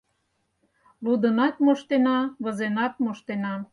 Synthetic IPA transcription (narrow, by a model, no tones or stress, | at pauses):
lud̪ənɑt̪moʃt̪enɑβə̆zenɑt̪̚moʃt̪enɑ